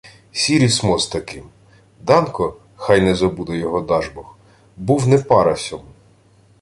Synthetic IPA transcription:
sʲiɾʲismɔzt̪ɐkɪm | d̪ɑnkɔ | xɑjnɛzɔbud̪ɔjɔɦɔd̪ɑʒbɔx | buwnɛpɑɾɐsʲɔmu

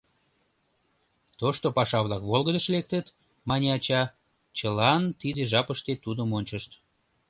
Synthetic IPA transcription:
t̪oʃt̪opɑʃɑβlɑkβolɣəd̪əʃlek̚t̪ət̪ | mɑnʲeɑt͡ɕɑ | t͡ɕəlɑnt̪id̪eʒɑpəʃt̪et̪ud̪əmonʲt͡ɕəʃt̪

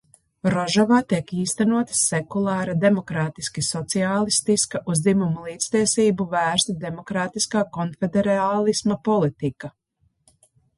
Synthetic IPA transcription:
ɾɔʒɔvaːt̪iɛkiːst̪anuɔt̪ssekulˠɑːɾɐd̪e̞mɔkɾaːt̪iskisɔt̪siaːlˠist̪iskɐʔuzd̪imumulˠiːt̪st̪iɛsiːbuvæːɾst̪ud̪emɔkɾaːt̪iskaːkɔnfed̪eɾaːlˠismɐpɔlˠit̪ika

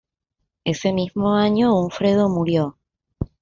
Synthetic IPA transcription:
ese̞mizmoaɲouɱfɾeð̞omuɾjo

